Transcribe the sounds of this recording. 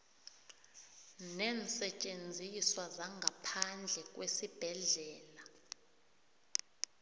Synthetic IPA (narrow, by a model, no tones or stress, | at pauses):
nɛːnsɛt͡ʃʼend͡zʱiswazaŋʱapʰand͡ɮʱɛk̬ʼwesib̥ʱɛɮɛːla